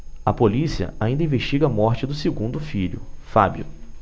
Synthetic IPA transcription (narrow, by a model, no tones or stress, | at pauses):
ɐpolisiɐ̰aĩd̪ɐĩveʃt͡ʃiɡɐmɔɾt͡ʃɪd̪ʊseɡũnd̪ʊfiʎʊ̰fabjʊ̰